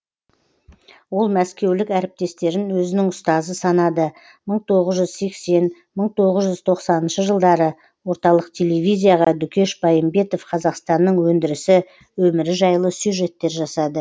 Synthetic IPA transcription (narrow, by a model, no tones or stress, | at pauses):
wo̞lˠmæskʲe̞wlɪkæɾɪp̚t̪e̞st̪e̞ɾɪnwɵzɪnɪŋʊst̪ɑzəsɑnɑd̪ə | məɴt̪ʰo̞ʁəzʒʏzse̞kse̞n | məɴt̪ʰo̞ʁəzʒʏzt̪ʰo̞qsɑnənʃəʒəlˠd̪ɑɾə | wo̞ɾt̪ɑlˠəqt̪ʲʰe̞le̞vʲijzʲijaʁɑd̪ʏkʲʰe̞ʃbɑjəmbe̞t̪o̞fqʰɑzɑqst̪ɑnːəɴwɵnd̪ɪɾɪsɪ | wɵmɪɾɪʒɑjlˠəsjuʒe̞t̪ːe̞ɾʒɑsɑd̪ə